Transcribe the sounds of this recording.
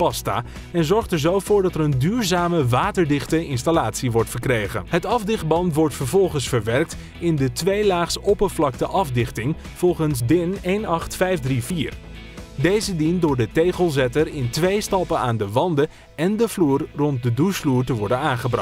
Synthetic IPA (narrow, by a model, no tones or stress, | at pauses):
pɑsta̰ː | ɛnzɔɹχtəɹzowvʊːɹdɑtɛɾəndyːɹzaːməʋaːtəɹdɪχtəɪnstalaːtsiʋɔɹtfəɹkrejχə̰nɦətɑvdɪχd̚bɑntʋɔɹtfəɹvɔlˠχənsfəɹʋɛrk̚t | ɪndətʋejlaːχsopəvlɑk̚təʔɑvdɪχtɪŋ | v̥ɔlˠχənsdɪnejnɑχtfɛjfdriviːr | dejzədindʊːɹdətejχəlˠzɛtərɪntʋejstɑpənaːndəʋɑndə | ɛndəvluːrrɔnt̚dədusfluːɹtəʋɔɹdənaːχəbrɑ